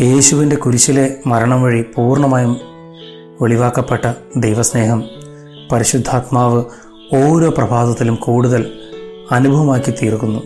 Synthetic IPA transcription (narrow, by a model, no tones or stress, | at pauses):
je̞ːɕuʋinde̞kuɾit͡ɕːɐle̞mɐɾɐɳɐmʋɐɻipuːrɳɐmaːjum | ʋe̞ɭiʋaːkːɐpːe̞ʈːɐd̪ejʋɐsne̞ːɦɐm | pɐɾiɕud̪ʱːaːt̪maːʋɨ | o̞ːɾo̞ːprɐbʱaːðɐt̪ːilumkuːɽuðɐlɐnubʱɐʋɐmaːkːit̪iːrkːunːu